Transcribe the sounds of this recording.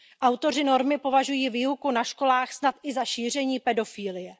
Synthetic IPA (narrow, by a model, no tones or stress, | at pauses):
ʔawt̪o̞r̝ɪno̞ɾmɪpo̞vaʒujiːviːɦukunaʃko̞laːxsnat̪ʔɪzaʃiːr̝ɛɲiːpɛdo̞fiːlɪjɛ